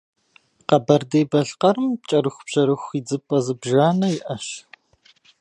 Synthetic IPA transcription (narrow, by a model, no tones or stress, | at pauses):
qɐbɐrdeːbɐɬqɐɾɨmp̚t͡ʃʼɐɾɨxʷʊb̥ʑ̥ɐɾɨxʷiːd͡zɨpʼɐzɨbʒaːnɐjɪʔɐɕ